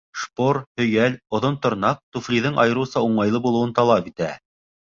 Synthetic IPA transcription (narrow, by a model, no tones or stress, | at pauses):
ʃpoɾhɵ̆jælŏðont̪ŏɾnɑq̚t̪uflʲiðɘɴʔɑjɤ̆ɾuwsɑuɴɑjlˠɤbulˠɤ̆wɤnt̪ɑlˠɑpit̪æ